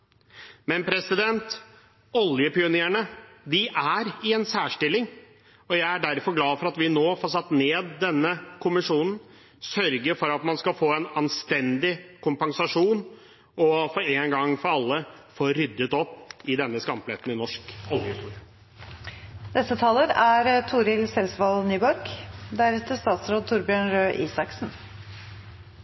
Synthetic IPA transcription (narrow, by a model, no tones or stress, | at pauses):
mɛnpʰɾɛsɪd̪ɛnt̪ | ɔljəpɪʊneːəɳəd̪ɪʔæɾɪɛnsæːʂʈɪlːɪŋ | ɔjæɪæɖæɾfɔɾɡlɑːfɔɾɑt̪ʋɪnoːfoːɾʂɑt̪ːneːd̪ːɛnːəkʰʊmɪʂuːnn̩ | sœɾɡəɾfɔɾɑt̪mɑnskɑfoːɛnɑnst̪ɛnd̪ɪkʰʊmpɑŋsɑʂuːn | ɔfɔɾeːnɡɑŋfɔɾɑlːəfoːɾʏd̪ːət̪ɔpːɪd̪ɛnːəskɑmpleːt̪n̩ɪnɔʂkɔljəɪst̪uːɾɪɑ | d̪ɛsət̪ʰɑːləɾæɾt̪ʰuːɾɪlsɛlsʋɑlnyːbɔɾkd̪æɾɛt̪əst̪ɑːt̪sɾoːd̪̚t̪ʰʊɾbjøːɳɾøːʔiːsɑksn